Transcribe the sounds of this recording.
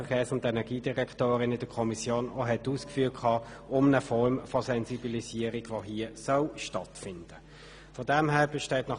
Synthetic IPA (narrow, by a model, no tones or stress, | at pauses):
əkʰeːsʊndɛnɛʁɡiːd̥iʁɛktoːʁɪnɪd̥əkʰɔmisjoːno̰ɦɛtuːskfyːɐkʰɑː | ʊmnəfɔʁmfɔsɛnzibilisiəʁiɡ̥ʋoɦiːəsœlʃtɑtfɪnd̥ə | fɔdæmɦæːb̥ɛʃteːtnɑ